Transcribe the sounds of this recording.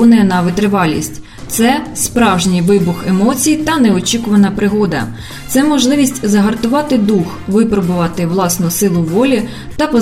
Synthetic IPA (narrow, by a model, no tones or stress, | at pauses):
nɐjɛnɐʋɪt̪ɾɪʋɑlʲːḭsʲtʲ | t̪sɛspɾɑwʒnʲijʋɪbʊxemɔt͡sʲijit̪ɐnɛɔt͡ʃʲikʊʋɐnɐpɾɪɦɔd̪ɐ̰ | t̪sɛmɔʒlˠɪʋʲisʲtʲzɐɦɐrt̪ʊʋɑt̪ɪd̪uxʋɪpɾɔbʊʋɑt̪ɪʋlˠɑsnʊsɪlˠʊʋɔlʲi | t̪ɐpɔ